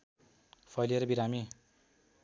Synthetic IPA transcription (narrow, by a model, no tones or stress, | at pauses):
pʰʌjleɾʌbiɾami